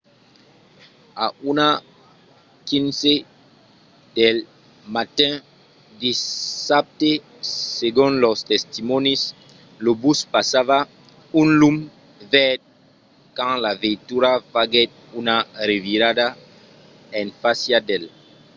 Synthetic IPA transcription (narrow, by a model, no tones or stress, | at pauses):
auna | kĩnse | d̪el | mat̪ɛ̃ | d̪isap̚t̪e | seɡũnlɔst̪est̪imɔnis | lobuspasava | ũnlum | vɛɾd̪ | kãŋlavẽnt̪uɾafaɡet̪̚ | unareviɾad̪a | ẽŋfasjad̪el